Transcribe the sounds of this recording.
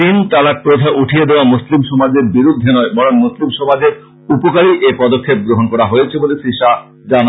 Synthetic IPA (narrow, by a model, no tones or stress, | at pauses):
int̪alaɾ̚pɾod̪ʱaʔuʈʰijed̪eoamuslimʃɔmad͡ʑeɾbiɾud̪ʱːenɔebɔɾonmuslimʃɔmad͡ʑe | upokaɾiʔepɔd̪okʰːep̚ɡɾoɦonkɔɾaɦojet͡ɕʰebolesiʃa | d͡ʑana